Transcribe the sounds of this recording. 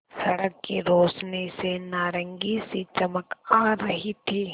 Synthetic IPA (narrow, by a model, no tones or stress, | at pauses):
sɐɽəkːiɾoːsnesenaːɾə̃ŋɡisit͡ʃɐməkaːɾɐɦit̪ʰiː